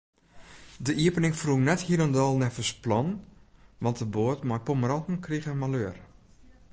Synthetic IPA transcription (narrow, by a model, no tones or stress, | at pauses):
dəʔiəpənɪŋfrunɛthiləndɔlˠnɛfəsplɔnʋɑntdəboətmajpoməɾɔntn̩kriɣənmaløər